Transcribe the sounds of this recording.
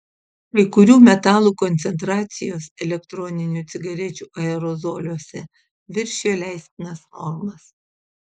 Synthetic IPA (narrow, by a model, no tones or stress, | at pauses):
kɐɪkʊɾʲuːmʲɛt̪ɑːlˠuːkɔnʲt̪ʲɛnt̪ɾɑːt̪sʲɪjoːsɛlʲɛkt̪ɾɔnʲɪnʲuˑt̪sʲɪɡɐɾʲɛt͡ʃʲuːʔɐɛɾɔzoːlʲuɔsʲɛ | ʋʲɪɾʲʃʲeːjoːlʲæˑɪsʲt̪ʲɪnɐsfɔɾmɐs